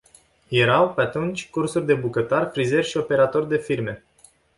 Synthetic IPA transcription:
je̞ɾawpe̞at̪unt͡ʃʲkursurʲd̪e̞bukət̪arfɾize̞rʲʃio̞pe̞ɾat̪o̞rʲd̪e̞firme̞

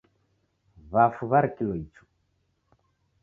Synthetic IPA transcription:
βafuβaɾikilɔit͡ʃu̥

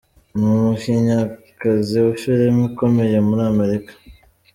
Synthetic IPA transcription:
mumuʃiɲakaziwuʃuɾemiko̞me̞je̞muɾiame̞ɾikḁ

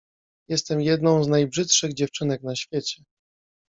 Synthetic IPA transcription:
jɛst̪ɛmjɛd̪nɔ̃w̃znajbʐɘt̪ʂɘɣd͡ʑɛft͡ʂɘnɛknaɕfʲjet͡ɕɛ

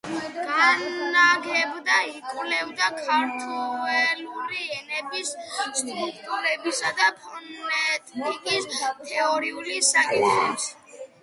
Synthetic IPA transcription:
ɡ̥aaɡʰɛbd̪aikʼvlɛvd̪akʰaɾt̪ʰuɛluɾiɛnɛbisst̪ʼɾup̚ʰt̪ʼuɾɛbisad̪apʰɔnɛt̪ʼikʼist̪ʰɛɔɾiulisakʼit̪ʰχχɛbis

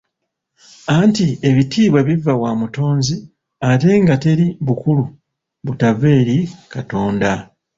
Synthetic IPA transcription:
antie̞βitiːβweβivawaːmuto̞ːnzi | ate̞ːŋɡate̞ɾiβukulu | βutave̞ːɾikato̞ːnda

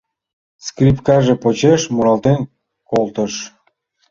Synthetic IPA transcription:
skrʲipkɑʒepot͡ɕeʃmuɾɑlt̪en | kolt̪əʃ

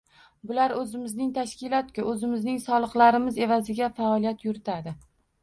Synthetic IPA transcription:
bʊlaɾɵzɪmɪznɪŋt̪ʰaʃkʲɪlˠɒt̪̚kʲɪʔɵzɪmɪznɪŋsɒlˠɨqlˠaɾɪmɪze̞vazɪɡʲafaɒlˠijat̪jʊɾɪt̪ʰad̪ɪ

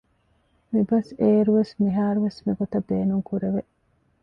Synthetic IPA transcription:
mibɐseːɾuʋesmiɦaːɾuʋesmiɡot̪ɐbeːnuŋkuɾeʋeʔ

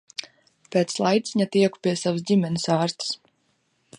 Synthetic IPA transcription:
peːt̪slˠajt̪sʲiɲat̪iɛku̥piɛsavəsdʲimʲɛnʲisaːɾst̪s

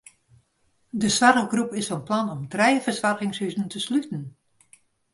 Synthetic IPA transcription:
dəsʋarɡrupɪsfɔnplanɔmdrɛjvərsʋarɣɪŋsyzən̩tʰəslytən̩

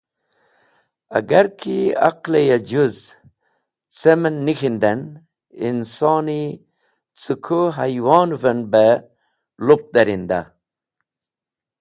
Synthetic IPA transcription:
a̰ɡaɾkʰia̰qlejad͡ʒuz | t͡semənːixind̪an | insɑːni | t͡sukʰoɦajwɑːnvənbə | lop̚d̪aɾind̪a

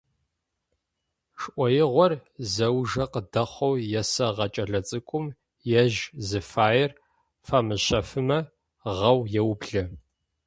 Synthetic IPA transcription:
ʂʔʷɔjɪʁʷɔrzɐwʒɐqədɐχʷɔwjɛsɐʁɐt͡ʃʼɐɮɐt͡sʼɨkʷʼʊm | jɛʒzɨfaːjɪr | faːmɨɕɐfɨmɐ | ʁɐwjɛwbɮɐ

